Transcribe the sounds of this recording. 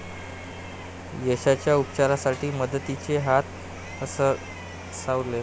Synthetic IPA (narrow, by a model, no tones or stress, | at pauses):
jəɕat͡ɕjaupt͡ɕaɾasaʈiːməd̪ət̪it͡seɦat̪ | əsə | sawɾle